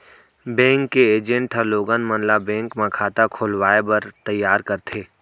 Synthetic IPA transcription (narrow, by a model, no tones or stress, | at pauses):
bɛ̃ːŋkːeeːd͡ʒẽɳʈɦəɾloːɡənmə̃nlabɛ̃ːŋkmãkʰaːt̪akʰoːlwaːebɐɾt̪əjːaːɾkəɾt̪ʰeː